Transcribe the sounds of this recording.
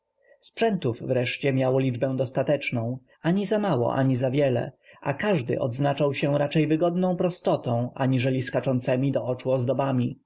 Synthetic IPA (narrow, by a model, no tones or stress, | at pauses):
spʂɛnt̪uvːɾɛʂt͡ɕɛmʲjawɔlʲid͡ʐbɛ̃w̃d̪ɔst̪at̪ɛt͡ʂnɔ̃w̃ | ʔaɲizamawɔ̰ʔa̰ɲizavʲjɛlɛ̰ʔakaʐd̪ɘ̰ʔɔ̰d̪znat͡ʂawɕɛɾat͡ʂɛjvɘɡɔd̪nɔ̃w̃pɾɔst̪ɔt̪ɔ̃w̃ʔaɲiʐɛlʲiskat͡ʂɔnt̪sɛmʲid̪ɔɔt͡ʂuɔzd̪ɔbamʲi